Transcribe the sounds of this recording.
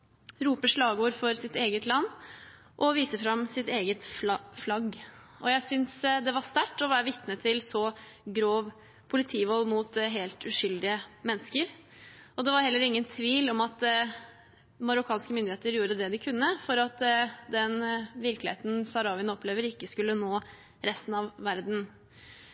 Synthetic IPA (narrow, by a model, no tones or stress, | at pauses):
ɾuːpəʂɭɑːɡuːɾfɔɾsɪt̪eːɡət̪lɑnː | ʔɔʋiːsəfɾɑmsɪt̪eːɡət̪flɑflɑɡɔjæɪsʏnsd̪ɛʋɑst̪æʈːɔʋæːɾəʋɪt̪nət̪ʰɪlsɔɡɾoːʋ | pʰʊlɪt̪ʰiːʋɔlːmuːt̪ɦeːlt̪ʉʂʏld̪ɪəmɛnːəskəɾ | ʔɔd̪ɛʋɑɾhɛlːəɾɪŋːənt̪ʰʋiːlɔmɑt̪ | mɑɾʊkʰɑːnskəmʏnd̪ɪeːt̪əɾjuːɾəd̪ɛd̪ɪkʰʉnːəfɔɾɑt̪d̪ɛnʋɪɾklɪḛːt̪n̩sɑɾɑːʋɪənɔpʰleːʋəɾɪkːəskʉlːənoː | ɾɛst̪n̩ɑʋʋæɾd̪n̩